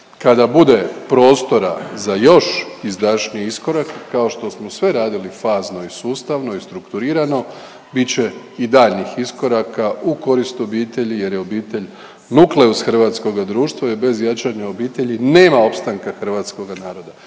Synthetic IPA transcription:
kad̪abud̪e̞pɾo̞ːst̪o̞ɾa̰zajo̞ʃizd̪aʃnijisko̞ɾakkːaoʃt̪o̞smosʋe̞ɾaːd̪ilifaːzno̞isuːst̪aʋno̞ist̪ɾukt̪uɾiːɾano̞ | bit͡ɕe̞ | id̪aːʎnixisko̞ɾakauko̞ɾist̪uo̞biːt̪e̞ʎije̞ɾjeo̞biːt̪e̞ʎ | nukle̞usxr̩ʋat̪sko̞ɡad̪ɾuːʃt̪ʋaibe̞zjat͡ʃaɲaobiːt̪e̞ʎineːmao̞pst̪aŋkaxr̩ʋaːt̪sko̞ɡanaːɾo̞d̪a

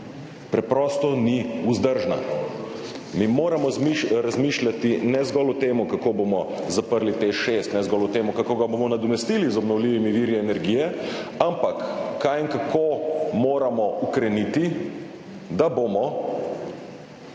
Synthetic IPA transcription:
pɾɛpɾɔːst̪ɔniuzd̪əɾʒna̰ | mimoːɾamɔiɾazmiːʃlʲat̪inɛzɡɔlɔt̪eːmukakoːbomɔzapəɾlit̪eʃest̪nɛzɡɔlɔt̪eːmukakoːɡabomɔnad̪ɔmɛst̪iːlizɔbnɔwliːʋimiʋiːɾjɛɛnɛɾɡijɛampakːajɛŋkakʰoːmoːɾamɔukɾɛniːt̪i | d̪abomɔ

